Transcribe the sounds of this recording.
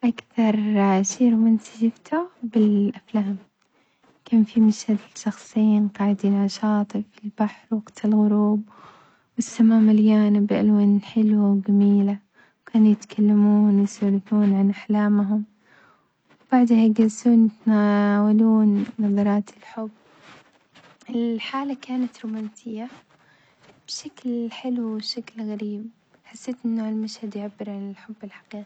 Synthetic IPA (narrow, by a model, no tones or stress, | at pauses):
ʔakθɑɾˤʃiːɾmʊnsad͡ʒɪbt̪ʰʊbɪlʔaflaːm | kaːnfimaʃhad̪ɪʃɑxsˤijːinqɑːʕɪd̪iːnʕɑʃɑːt̪ˤɨfɪlb̥aħɾwɑɡt̪ʰɪlɣʊɾuːb̚ | wɪsːamaːmaljaːnɪbʔalwanħɪlwawɡamiːla | wkʰaːnujɪt̪kʰalːamuːnwɪsʊlɪθuːnʕanʔaħlaːmɦʊm | wb̥aʕd̪hajɡalsuːnjɪt̪naːwaluːnːɑðˤɑɾˤɑːt̪ɪlħʊbː | ʔɪlħaːlakaːnat̪ɾumaːnsɪjːa | b̥ʃaklħɪlwʃaklɣaɾiːb̚ | ħasːeːt̪ʔɪnːaʕɪlmaʃhad̪jɪʕabːɪɾʕanɪlħʊbːɪlħḁqiːqi